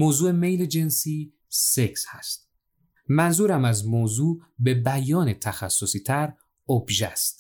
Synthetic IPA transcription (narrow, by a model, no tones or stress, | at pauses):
moːzuːeme̞jled͡ʒe̞nsiː | se̞kshæst̪̚ | mænzuːɾæmæzmozuːbe̞bæjɒːnet̪ʰæxæsːosiːt̪ʰæɾ | obʒæst̪